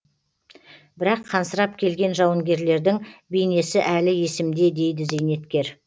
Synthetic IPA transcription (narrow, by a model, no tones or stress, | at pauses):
bɪɾɑqʰːɑnsəɾɑp̚kʲʰe̞lɡʲe̞nʒɑwəŋɡʲe̞ɾle̞ɾd̪ɪŋbejne̞sɪʔælɪje̞sɪmd̪e̞d̪e̞jd̪ɪze̞jne̞t̪kʲe̞ɾ